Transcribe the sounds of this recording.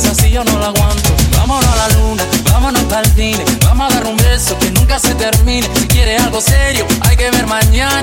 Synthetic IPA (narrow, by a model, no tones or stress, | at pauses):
sasionõnlakwant̪ova̰monalalunavamonopalfinevamoavɛɾumbɛsokenːuŋkaset̪eɾminesikjɛɾealɡosɛɾjoajkeveɾmaɲːan